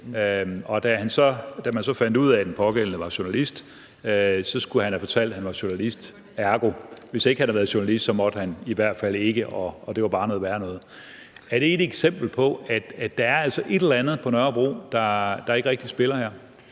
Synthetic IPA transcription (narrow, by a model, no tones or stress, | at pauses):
øɒ̽d̥æhænsɒ̽d̥æmænsɒ̽fæn̰d̥uð̞̰ˠæd̥enpʰɒ̽ɡ̥el̰n̩əʋɑ̈ɕo̝nælisd̥ | øsɒ̽sɡ̥uhænhæfɒ̽t͡sʰæl̰d̥hænʋɑ̈ɕo̝nælisd̥ | æɐɡ̥o̝ʋe̝se̝ɡ̥əhænhɑ̈ʋæːð̩ˠɕu̝nælisd̥sɒ̽mɒ̽d̥hæniʋæɐ̰d̥fæl̰e̝ɡ̥əʔɒ̽ːd̥e̝ʋɑ̈b̥ɑ̈ːnɔð̩ˠʋæːɐnɔ̽ːð̩ˠ | æɐdɾ̥e̝e̝d̥eɡ̥sem̰b̥l̩pʰɒ̽æd̥æd̥ɑ̈æɐæl̰sɒ̽ʔe̝ɾ̥elænð̩ˠpʰɒ̽nɶɐb̥ʁo̰ːd̥ɑ̈d̥ɑ̈e̝ɡəʁeɡ̥̚d̥isb̥e̝lɐhæɐ̰